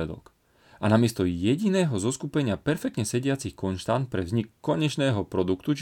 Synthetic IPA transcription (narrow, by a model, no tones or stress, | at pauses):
ɛd̪ɔ̰k | ʔanamɪɛst̪ɔjɛɟinɛːɦɔzɔskupɛɲɪapɛɾfɛkt̪ɲɛsɛɟɪat͡sixkɔnʃt̪ant̪̚pɾɛvzɲikːɔɲɛt͡ʃnɛːɦɔpɾɔd̪ukt̪ut͡ʃ